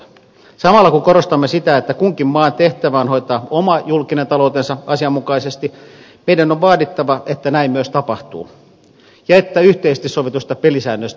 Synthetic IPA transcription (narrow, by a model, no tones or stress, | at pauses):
sɑmɑlːɑkuŋkoɾost̪ɑmːesit̪æet̪ːækuŋkimmɑːnt̪eht̪æʋæːnho̞it̪ɑːomɑjulkinent̪ɑlout̪ensɑɑsiɑmːukɑisest̪i | meidænoʋʋɑːdit̪ːɑʋɑʔet̪ːænæimmyøst̪ɑpɑht̪ṵː | jɑet̪ːæyht̪eist̪issoʋit̪ust̪ɑpelisæːnːøst̪